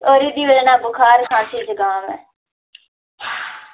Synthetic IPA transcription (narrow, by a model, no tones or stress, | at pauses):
oːɾiːd̪iːʋəlnãːbʊkʰaːɾkãːsʰiːd͡ʒəɡaːmɛː